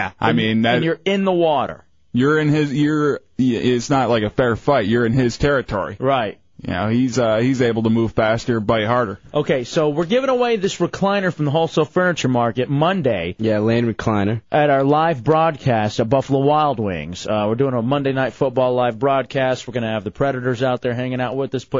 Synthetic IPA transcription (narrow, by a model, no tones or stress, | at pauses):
jæʔa̰ɪmĩnænjə˞ɪ̃nðəwɔɾə̰˞ | jə˞ɪ̃nɪzjə˞ | ɪtsnətlaɪkɨfɛɹfaɪt̚jə˞ɨ̃nɪz̥tʰɛɹɨtʰɔ̰ɹḭɹaɪt̚ | jɨ̰no̰ʊhizʌhizeɪbl̩ˠtʰəmuv̥fæstə˞baɪɦɑɹɾə˞ʔoʊkʰeɪsoʊwɪɹɡɪvɪ̃ŋəweɪðɪsɹɨkʰl̥ãɪ̃ñə˞fɹʌ̃mðəɦoʊlˠsɔlˠfɜ˞nɨt͡ʃə˞mɑɹkɨt̚mʌ̃ndeɪjælẽnɹɨkʰl̥ãɪ̃nə˞ʔɨɾaə˞laɪvbɹɔd̚kʰæstəbʌvðəwaɪlˠd̚wɪ̰̃ŋz̥wɪɹdʉɪ̃ŋəmʌ̃ndeɪnaɪtfʊt̚b̥ɔlˠlaɪvbɹɔd̚kʰæsts̚wɨɹɡʌñɨɨvðɨpʰɹ̥ɛɾɨɾə˞zaʊt̪̚ðə˞ɦæ̃ŋɪ̃ŋaʊt̚wɨððɪspʰʊ